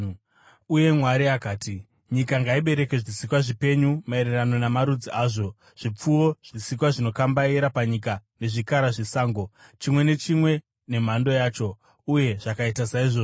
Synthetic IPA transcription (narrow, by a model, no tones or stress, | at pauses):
uje̞mwaɾiakaːti | ɲikaŋɡaiɓe̞ɾe̞ke̞ʐisikwaʐipe̞ɲumaeɾerano̞namaɾud͡ziʔaːʐo̞ | ʐ̥ip͡fuwo̞ʐ̥isikwaʐino̞kambaiɾapaɲikane̞ʐikaɾaʐisaːŋɡo̞t͡ʃimwe̞ne̞t͡ʃimwe̞ | ne̞m̤ando̞jaːt͡ʃo̞ | uje̞ʐakaitasaiʐo